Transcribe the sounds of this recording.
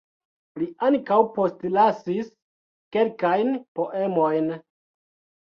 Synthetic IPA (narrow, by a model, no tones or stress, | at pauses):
liʔaŋkawpo̞stlasis | ke̞lkajnpo̞ʔe̞mojn